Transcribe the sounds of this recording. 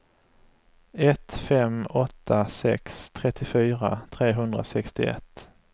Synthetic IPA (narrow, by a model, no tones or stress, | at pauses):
ɛt̪fɛmɔt̪ʰːasɛ̰kst̪ʰɾɛt̪ːɪfyːɾa̰t̪ʰɾeːɦɵnd̪ɾa̰sɛkst̪ɪɛ̰t̪ː